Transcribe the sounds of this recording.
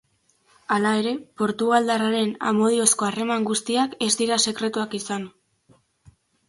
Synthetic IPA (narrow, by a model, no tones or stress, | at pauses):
alae̞ɾe̞po̞ɾt̪uɣald̪araɾe̞na̰mo̞ð̞io̞sko̞are̞maŋɡust̪iake̞zd̪iɾase̞kɾe̞t̪uakisan